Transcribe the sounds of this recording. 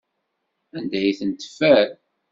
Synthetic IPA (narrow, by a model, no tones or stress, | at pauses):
ænd̪æjθənt̪ə̥fæɾ